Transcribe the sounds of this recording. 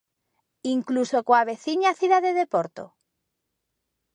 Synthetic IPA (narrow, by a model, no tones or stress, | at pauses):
iŋklusokoaβeθiɲaθiðaðeðepoɾt̪o̰